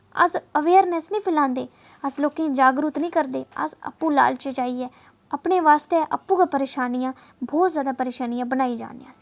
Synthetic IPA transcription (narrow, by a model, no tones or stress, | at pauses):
ə̰zəʋeːɾnəsnĩːpʰɪlãːnd̪eː | əsloːkẽːd͡ʒaːɡɾʊt̪nĩːkəɾd̪eːə̰sə̰pːũːla̰ːlt͡ʃd͡ʒaːiːɛː | əpneːʋaːst̪eːʔəpːũːɡaːpəɾeːʃaːnijãːbɔːt̪zjaːd̪aːpəɾeːʃaːnijãːbənaːiːd͡ʒa̰ːnd̪ia̰ːs